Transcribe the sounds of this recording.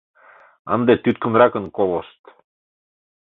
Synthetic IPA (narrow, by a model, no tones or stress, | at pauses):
ɑ̰nd̪et̪yt̪kə̆nɾɑkɤ̆nkolŏʃt̪